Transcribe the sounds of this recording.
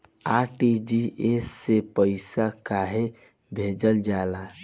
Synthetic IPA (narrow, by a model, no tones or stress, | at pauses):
aʈid͡ʒiʔesːepəɪsakaɦe | bʱed͡ʒəld͡ʒala